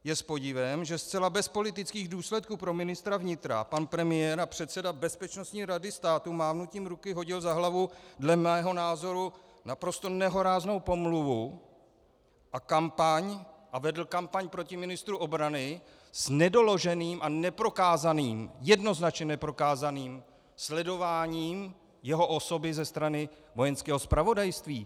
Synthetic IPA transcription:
jɛspo̞ɟɪvɛmʒɛst̪t͡sɛlabɛspo̞lɪt̪ɪt͡skiːɣduːslɛt̪̚kupɾo̞mɪnɪst̪ɾavɲɪt̪ɾa̰panpɾɛmɪjɛːɾapr̥ɛt̪sɛdabɛspɛt͡ʃno̞st̪ɲiːɾadɪst̪aːt̪umaːvnuc̪iːmɾukɪɦo̞ɟɪlzaɦlavudlɛmɛːɦo̞naːzo̞ɾu | napɾo̞st̪o̞nɛɦo̞ɾaːzno̞wpo̞mluvu | ʔakampaɲʔavɛdl̩kampaɲpɾo̞cɪmɪnɪst̪ɾuʔobɾanɪ | snɛdo̞lo̞ʒɛniːmʔanɛpɾo̞kaːzaniːmjɛdno̞znat͡ʃɲɛnɛpɾo̞kaːzaniːm | slɛdo̞vaːɲiːm | jɛɦo̞ʔo̞so̞bɪzɛst̪ɾanɪ | vo̞jɛnskɛːɦo̞spɾavo̞dajst̪viː

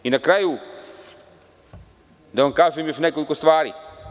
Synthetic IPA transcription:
inakɾaju | d̪aʋamkaːzujemjo̞ʃnekoliko̞st̪ʋaːɾḭː

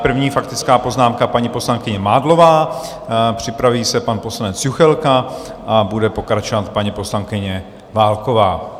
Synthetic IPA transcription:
pr̩vɲiːfak̚t̪ɪt͡skaːpo̞znaːmkapaɲipo̞slaŋkɪɲɛmaːdlo̞vaː | pr̝̥ɪpɾaviːsɛpanpo̞slanɛt͡sjuxɛlka | ʔabudɛpo̞kɾat͡ʃovat̪paɲipo̞slaŋkɪɲɛ | vaːlko̞vaː

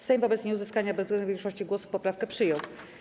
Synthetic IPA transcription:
sɛjmvɔbɛt̪sɲɛuzɘskaɲabɛzvɡlɛnd̪uvjɛ̃ŋkʂɔɕt͡ɕiɡwɔsu̥fpɔpɾafkɛpʂɘjɔw

